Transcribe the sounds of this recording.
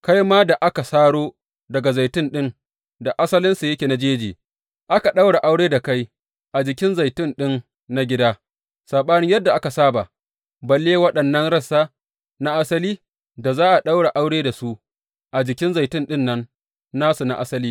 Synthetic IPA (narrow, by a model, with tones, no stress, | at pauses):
ka˦jmaː˦da˨ʔa˦ka˨saː˦ɽoː˦ | dɐ˨ɡa˨za˨jtɪ˦nɗɪ˦n | da˨ʔa˦sɐ˦lɪ˦nsa˨jɐ˦kʲeː˨na˦d͡ʒeː˦d͡ʒiː˨ | ʔa˦ka˨ɗa˦wɽa˨ʔa˦wɽeː˦da˨ka˦j | ʔa˨d͡ʒɪ˨kʲɪ˦nza˨jtɪ˦nɗɪ˦n | na˦ɡʲɪ˦daː˦ | saː˨ɓaː˦nɪ˦jɐ˦dːa˨ʔa˦ka˨saː˦ba˨ | bɐ˨lːeː˦wɐ˦ɗɐ˨nːɐ˦nɽɐ˦saː˦ | na˦ʔa˦sɐ˦liː˦ | da˨zaː˦ʔa˨ɗa˦wɽa˨ʔa˦wɽeː˦da˨su˦ | ʔa˨d͡ʒɪ˨kʲɪ˦nza˨jtɪ˦nɗɪ˦nːɐ˦nː | aː˦su˨na̰˦ʔa˦sɐ˦liː˦